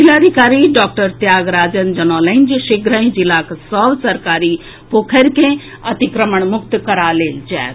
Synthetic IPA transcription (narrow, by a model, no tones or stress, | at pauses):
d͡ʒilaːd̪ʱikaːɾiɖɔːk̚ʈəɾt̪jaːɡɾaːd͡ʒənd͡ʒɐnɔːlɐɪnd͡ʒʃiɡɾə̃ĩd͡ʒilaːksɔʋsɐɾkaːɾi | poːkʰəɾkẽ | ɐt̪ikɾəməɳ̃mʊkt̪kɐɾaleːld͡ʒɛ̰ːt̪